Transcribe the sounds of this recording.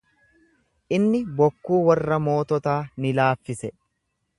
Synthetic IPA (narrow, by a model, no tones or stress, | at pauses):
ʔɪnːɪbɔkːuːwɐrːɐmo̞ːt̪ɔt̪aːnɪlaːfːɪsɛ